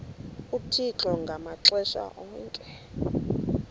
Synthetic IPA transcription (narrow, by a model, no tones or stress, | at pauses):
utʰit͡ɬɔŋɡʱamaǁɛʃa̰ʔɔːŋkʼɛ